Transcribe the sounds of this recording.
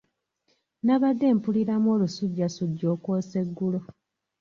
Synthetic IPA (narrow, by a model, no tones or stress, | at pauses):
naβadːe̞ːmpuliɾamo̞ːlusuɟːasuɟːo̞ːkoːse̞ɡːulo